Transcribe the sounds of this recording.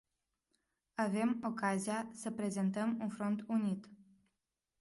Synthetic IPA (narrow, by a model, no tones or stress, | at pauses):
ave̞mo̞kaziasəpɾe̞ze̞nt̪əmunfɾo̞nt̪unit̪